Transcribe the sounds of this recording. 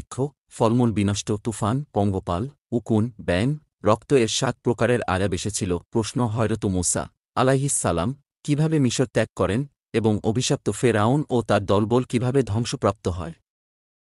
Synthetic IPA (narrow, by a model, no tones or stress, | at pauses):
kʰːo | fɔlmulbinaʃʈot̪ufanpɔŋɡopal | ukunbɛn | ɾɔkt̪oeɾʃat̪̚pɾokaɾeɾa̰ɡabeʃet͡ɕʰilopɾoʃnoɦɔeɾot̪umusa̰ | alajɦisːalam | kibʱabemiʃoɾt̪ɛkːɔɾen | eboŋobʱiʃap̚t̪ofeɾaonot̪aɾd̪ɔlbolkibʱabed̪ʱɔŋʃopɾap̚t̪oɦɔ̰e